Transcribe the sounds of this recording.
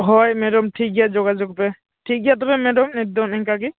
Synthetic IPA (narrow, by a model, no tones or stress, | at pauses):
ɦɔjmɛɖɔmʈʰik̚ɡazɔɡazɔkɔpɛ | ʈʰik̚ɡat̪̬ɔbɛmɛdɔmɛd̪ɔnɛŋkaki